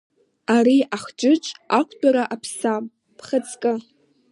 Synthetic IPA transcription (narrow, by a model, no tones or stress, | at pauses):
aɾiaχt͡ʃʷʼɨʈ͡ʂʼakʷʰʼdʼaɾaʔapʰsamʼ | pʰχət͡sʰkʼɨ